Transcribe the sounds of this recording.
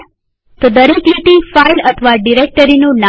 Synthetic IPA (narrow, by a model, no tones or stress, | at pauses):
t̪od̪əɾikiʈ̪ĩfailət̪ʰəʋaɖiɾek̚ʈəɾinũna